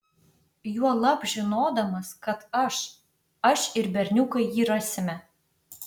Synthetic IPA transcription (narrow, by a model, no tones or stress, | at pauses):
juɔlˠɑpʒɪnoːd̪ɐmɐskɐt̪ɐʃ | ɐʃɪɾbʲɛrʲnʲukɐjjiɾɑsʲɪmʲɛ